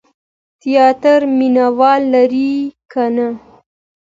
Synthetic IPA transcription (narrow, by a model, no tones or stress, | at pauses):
t̪ijɑt̪əɾminawɑlːaɾikʰana